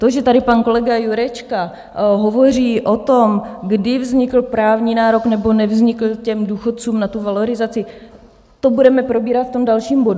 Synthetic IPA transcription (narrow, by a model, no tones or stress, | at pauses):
t̪o̞ʒɛt̪adɪpanko̞lɛɡajuɾɛt͡ʃka | ɦo̞vo̞r̝iːʔo̞t̪o̞mɡdɪvzɲɪkl̩pɾaːvɲiːnaːɾo̞knɛbo̞nɛvzɲɪkl̩cɛmduːxot̪̚t͡suːmnat̪uvalo̞ɾɪzat͡sɪ | t̪o̞budɛmɛpɾo̞biːɾat̪ft̪o̞mdalʃiːmbo̞du